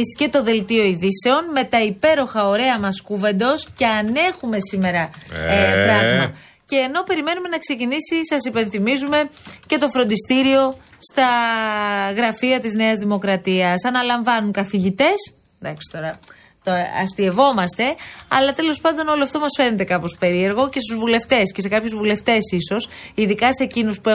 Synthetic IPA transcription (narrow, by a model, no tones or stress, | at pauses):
isce̞t̪o̞ðe̞lt̪io̞iðise̞o̞nme̞t̪ɐipe̞ɾo̞xɐoɾe̞ɐmɐskuve̞nd̪o̞sce̞ɐne̞xume̞sime̞ɾɐepɾɐɣmɐ | ce̞ːno̞pe̞ɾime̞nume̞nɐkse̞cinisisɐsipe̞nθimizume̞ce̞t̪ofɾo̞nd̪ist̪iɾio̞ | st̪ɐ | ɣɾɐfiɐt̪izne̞ɐzðimo̞kɾɐt̪iɐsɐnɐlɐɱvɐnuŋkɐθiʝit̪e̞s | ðɐksi̥t̪o̞ɾɐ | t̪oɐst̪ie̞vo̞mɐst̪e̞ɐ̰lɐt̪e̞lo̞spɐnd̪o̞no̞loɐft̪o̞mɐsfe̞ɾnet̪e̞kɐpo̞spe̞ɾie̞ɾɣo̞ce̞st̪uzvule̞ft̪e̞sce̞se̞kɐpçuzvule̞ft̪e̞siso̞siðikɐsecinuspue